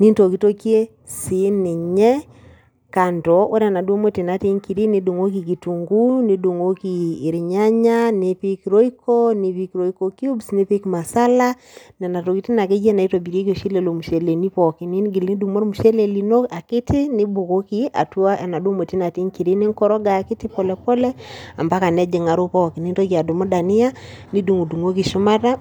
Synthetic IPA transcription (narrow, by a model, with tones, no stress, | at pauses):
ni˦nto˨ki˨to˦kje˦ | si˨˦nɪ˨ɲɛ˦ | ka˨ntɔ˨o˦ɾa˨na˨do˦mo˦ti˨na˨˦te˦ŋki˨ɾi˦ni˦du˨ŋo˦ki˨ki˨tu˨ŋɡu˦ni˨˦du˨ŋo˦kiː˨ɾi˨ɲa˦ɲa˦ne˦pi˦ki˨ɾo˦i˦kɔ˦ni˦βi˦kɾo˨˦i˦ko˨ki˦o˦bsne˦pi˦kma˨sa˦la˦ | n˨a˨na˨to˨ki˨˦ti˦na˨k̬e˦ɡi˦ɛ˦na˨i˦twa˨bi˨ɾe˦ko˨ʃi˦lɛ˨lo˨mu˨ʃɛ˨le˨ni˦pɔ˨ki˦ni˦nɡi˨ldu˨mo˦ɾmu˨ʃɛ˦lɛ˨li˨no˦a˨kɪ˦tɪ˦nɪ˦bo˨ko˦ki˦a̰˨twa˦ʔa˨na˨do˦mo˨ti˦na˨ti˦ŋki˨ɾe˦ne˦ŋkɔ˦ɾɔ˦ɡa˨ki˦ti˦pɔ˨lɛ˨pɔ˦lɛ˦a˨mba˦ka˨nɛ˦d͡ʒe˨ŋa˨ɾo˦pɔ˦ki˨ni˦ntɔ˦ki˨a˨do˨mo˦da˨ni˦a˦ni˦du˨ŋu˨du˨ŋo˦ki˨ʃu˦ma˦ta˦